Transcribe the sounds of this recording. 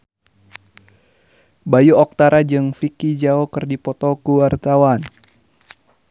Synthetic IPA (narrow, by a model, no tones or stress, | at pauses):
bajuɔk̚t̪aɾad͡ʒɨŋfikid͡ʒaokɨrdipɔt̪ɔkuwart̪awan